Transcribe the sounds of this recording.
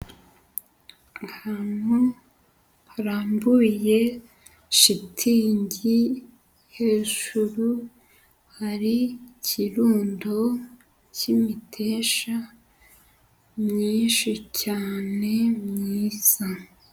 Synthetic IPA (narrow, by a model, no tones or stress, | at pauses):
ŋɡʰanu | haɾaːmbuje̞ | ʃitʰiːɲɟi | he̞ːʒ̥uɾu | haɾicʰiɾuːndo | cimitʰe̞ːʃa | mɲiːnʃicaːne̞mɲiːz̥a